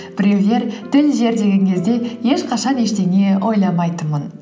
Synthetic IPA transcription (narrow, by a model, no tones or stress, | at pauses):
b̥ɪɾʲe̞wle̞ɾt̪ʰɪlʒe̞ɾd̪e̞ɡʲe̞ŋkʲʰe̞zd̪e̞je̞ʃqʰɑʃɑne̞ʃt̪e̞ne̞ʔo̞jlˠɑmɑjt̪əmən